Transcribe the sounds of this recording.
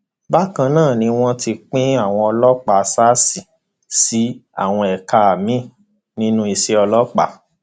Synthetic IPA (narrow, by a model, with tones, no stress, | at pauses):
ba˦kã˧nãː˦˨nĩ˧w̃ɔ̃˦ti˧k͡pĩ˦a˦˨w̃ɔ̃˧ɔ˧lɔ˦k͡pa˨sa˦si˨ | si˨˦a̰˦˨w̃ɔ̃˧ɛ˨ka˧a˨mĩ˦˨ | nĩ˦nũ˦i˧se˧˦ɔ˧lɔ˦k͡pa̰˨